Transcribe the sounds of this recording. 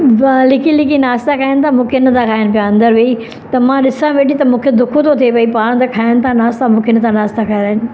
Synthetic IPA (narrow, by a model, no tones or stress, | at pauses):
lɪkilɪkinaːst̪akʰaːɪnɪ̆t̪ʰamũːkʰeɪnət̪ʰãkʰaːɪnɪ̆pijãɐ̃nd̪əɾʋei | t̪ɐmãɗɪsãʋeɗit̪ɐmũːkʰed̪ʊkʰot̪ʰot̪ʰepɐipaːɽ̃t̪ɐkʰaːɪñɪ̆t̪ʰãnaːst̪amũːkʰeɪnt̪ʰãnaːst̪akʰaːɪɾaːɦɪn